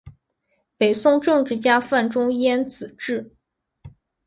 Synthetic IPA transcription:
pe˨˩ɪsʊ˥˧ŋʈ͡ʂɤ˥˧ŋʈ͡ʂɻ̩˥˩t͡ɕja˥fa˥˩nʈ͡ʂʊ˥ŋjɛ˥nt͡sɹ̩˨˩ʈ͡ʂɻ̩˥˩

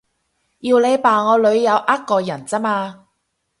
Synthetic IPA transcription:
jiː˨˧wle˨˧jpaː˨ŋɔː˨˧lɵ˨˧ɥjɐ˨˧wʔa˥t̚kːɔː˧jɐ˨˩nt͡sɐ˥maː˧

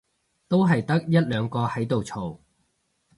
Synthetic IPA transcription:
t̪o˥wɦɐ˨jt̪ɐ˥k̚jɐ˥t̚lœː˨˧ŋkɔː˧hɐ˨˥jt̪o˨wt͡sʰo˨˩w

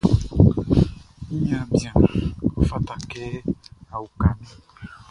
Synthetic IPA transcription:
i˦ɲã˨bjã˨o˨fa˦t̪a˨kɛ˦a˨u˨ka˨nĩ˦

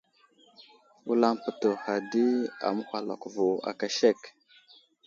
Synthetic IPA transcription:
wu˦la˦mpə˨to˨ha˨di˦a̰˨mə˦hʷa˨la̰˨ku˨vo˨a̰˨ka˨ʃe˦˨k

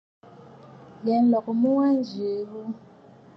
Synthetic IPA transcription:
jɛ˨n˦lɔ˨kɔ˨mu˦wa˦nd͡ʒʱe˨˦βu˦

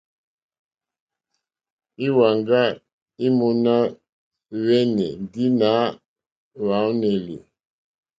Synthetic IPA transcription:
i˦wa˨ŋɡa˦ | i˦mu˨na˦ | wɛ˦nɛ˨di˦na˨˦ | wa˨˦wnɛ˨lḭ˨

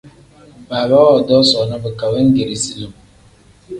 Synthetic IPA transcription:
ba˨ba˦wɔ˨dɔ˦sɔ˨nə˦bə˨ka˨bə˦ŋ̩˦ɡe˨ɾi˨si˨li˨m˨

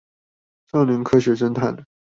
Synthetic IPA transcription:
ʂɑ˥˩ŋli˧˥ŋkʰɤ˥ɕɥɛ˧˥ʂə˥nt̪ʰa˥˩n

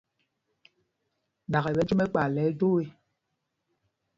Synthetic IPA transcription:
da˨ɣɛ˨bɛ˨˦d͡ʒu˦mɛ˦k͡pa˨lɛ˨˦do˦e˦

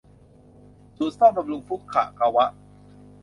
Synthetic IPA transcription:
tu˨˩saː˥˩m̚ba˧mlu˧ŋfu˦˥kʰːa̰ː˨˩ka˧wa˦˥ʔ

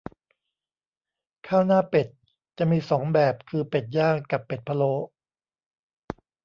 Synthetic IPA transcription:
kʰaː˥˩wnaː˥˩pe˨˩t̪̚ | t͡ɕa˨˩miː˧sɔː˩˦ŋbɛː˨˩p̚kʰɯː˧pe˨˩t̪̚jaː˥˩ŋka˨˩pːe˨˩t̪̚pʰa˧loː˧˥

